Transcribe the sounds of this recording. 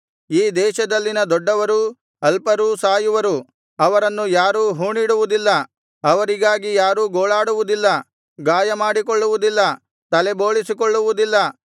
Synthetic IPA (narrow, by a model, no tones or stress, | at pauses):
iːd̪ɛːʃɐd̪ɐlːinɐd̪ɔɖːɐʋɐɾuː | ɐlpɐɾusaːjuʋɐɾu | ɐʋɐɾɐnːujaːɾuːɦuːɳiːɽuʋud̪ilːɐ | ɐʋɐɾiɡaːɡijaːɾuːɡoːɭaːɽuʋud̪ilːɐ | ɡaːjɐmaːɽikɔɭːuʋud̪ilːɐ | t̪ɐlɛbo̞ːɭisikɔɭːuʋud̪ilːɐ